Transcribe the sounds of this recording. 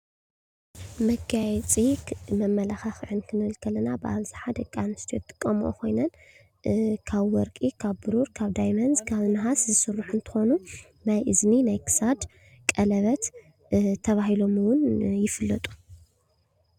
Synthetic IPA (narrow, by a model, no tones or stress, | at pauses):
mɐɡajɛt͡sʼimɐmːɐlaxaxʕɨnkʰɨnɨɨlkʰɐlːɐnabɨʔaβzaħad̪ɐkʼːanɨst̪ʰijo̰t̪ʼɨ̥kʼːɐmuʔo̰kʰo̞jnɐn | kʰaβwɔɾkʼikʰaβbɨɾuɾkʰaβd̪ajmɐnzkʰaβɨnɨɦaszɨsɨrːuħunt̪ʰɨ̥xo̞nu | najʔɨzminajkʰɨ̥sad̪ | kʼɐlɐβɐt̪ | t̪ʰːɐβahilo̞mwʊnjɪfɨlːɐt̪ʼu̥